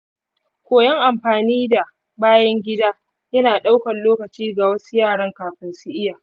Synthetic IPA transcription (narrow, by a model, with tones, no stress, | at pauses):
kʷoː˨jɐ˦ŋʔa˨mɸaː˨niː˦da˨ | baː˦jɐ˦ŋɡʲɪ˦daː˦ | jɐ˦naː˨ɗa˦wkɐ˨nloː˦kɐ˨t͡ʃiː˦ɡa˨wɐ˦su˦jaː˦˨ɽɐ˦ŋkaː˨ɸɪ˦nsɪ˦ʔɪ˦jaː˨